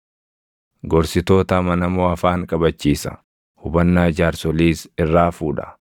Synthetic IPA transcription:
ɡɔɾsɪt̪oːt̪ɐmɐnɐmoːɐfaːŋkʼɐbɐt͡ʃːiːsɐ̥ | hʊbɐnːaːd͡ʒaːɾsɔliːsɪrːaːfuːᶑɐ̥̰

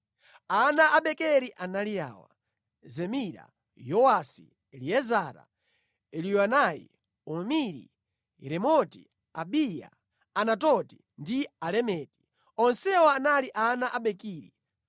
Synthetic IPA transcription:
anaʔaɓɛkɛɾiʔanalija̰ːwa̰ | zɛmiɾa̰ | jɔwasi | ɛliɛzaɾa̰ | ɛlijanajḭ | ɔmiɾḭ | ɾɛmɔti | aɓija̰ | anatɔti̥ | ndialɛmɛːti̥ | ɔnsɛwɔanaliʔanaʔaɓɛkiːɾḭ

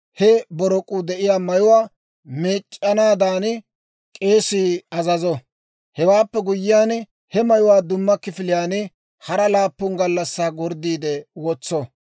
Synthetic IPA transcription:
hɛbɔɾɔkʼʊd̪ɛʔɪjaːmɐjʊwaː | meːt͡ʃʼːɐnaːd̪aːn | kʼeːsiːɐzɐzɔ | hɛwaːpːɛɡʊjːɪjaːn | hɛmɐjʊwaːd̪ʊmːɐkɪfɪlɪjaːnɪ | hɐɾɐlaːpːʊnɡɐlːɐsːaːɡɔɾd̪iːd̪ɛwɔt͡sːɔ

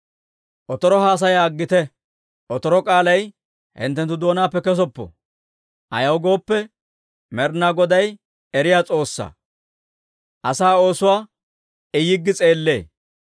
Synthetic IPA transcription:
ʔɔt̪ɔɾɔɦaːs̬ɐjaːɡːɪt̪ɛ | ʔɔt̪ɔɾɔkʼaːlɐj | hɪ̰nt̪ːɛnt̪ːʊd̪o̞ːnaːpːɛkɛs̬ɔpːɔ̰ | ʔɐ̰jɐwɡo̞ːpːɛ | mɛɾnaːɡɔd̪ɐj | ɛɾɪjaːt͡sʼo̞ːsːa̰ | ʔɐsaːo̞ːsʊwaː | ɪjɪɡːɪt͡sʼe̞ːlːe̞ː

